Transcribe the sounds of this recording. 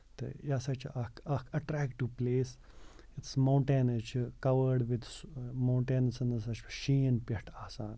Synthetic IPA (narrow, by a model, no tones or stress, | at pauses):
t̪ḛjaːsɐt͡ʃʰʔɐkɐkʰɐʈɾɛːkʈːupleːs | it̪smɐwɳʈeːnɐt͡ʃʰikɐʋəɾɖʋid̪smɐ̃ːɳʈeːnɐsɐnɐsɐt͡ʃʰʃiːnpɐʈʰaːsaːn